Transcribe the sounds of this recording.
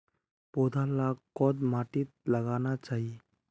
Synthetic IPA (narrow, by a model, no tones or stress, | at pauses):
pod̪ʱalakːɔd̪maʈit̪̚ləɡanat͡ʃaːɦi